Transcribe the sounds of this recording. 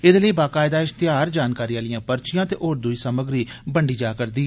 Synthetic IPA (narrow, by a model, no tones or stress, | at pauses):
ɪd̪ləiːbaːkaːɪd̪aːɪst̪ɪjaːɾd͡ʒaːnkaːɾiːjãːlijãːpəɾt͡ʃɪjãːt̪eːʔoːɾd̪ʊiːsəməɡɾiːbəɳɖiːd͡ʒaːkəɾd̪iː